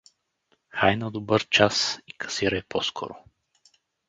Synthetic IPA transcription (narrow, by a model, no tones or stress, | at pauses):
xajnɐd̪obɤɾt͡ʃasikɐ̥siɾɐɛpɔskʰɔ̰ɾʊ